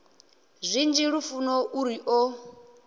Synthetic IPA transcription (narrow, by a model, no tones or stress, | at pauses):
zʷind͡ʒiɺufunɔʔuɾiʔɔ